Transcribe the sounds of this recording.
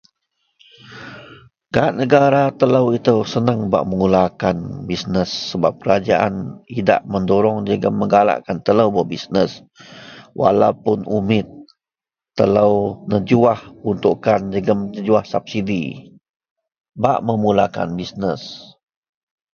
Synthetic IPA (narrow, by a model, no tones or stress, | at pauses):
ɡ̥aaʔnəɡaɾat̪ələwit̪əwsənəŋba̰ʔməŋulakanbisnəsːəba̰p̚kəɾad͡ʒaʔa̰nida̰ʔməndoɾɔŋd͡ʒəɡəmːəŋɡala̰ʔkant̪ələwbəbisnəs | wa̰lawpʊnumɪt̪̚ː | ələwnəd͡ʒuahunt̪uʔkand͡ʒəɡəmnəd͡ʒuahsap̚sidi | baʔməmulaka̰nbisnəs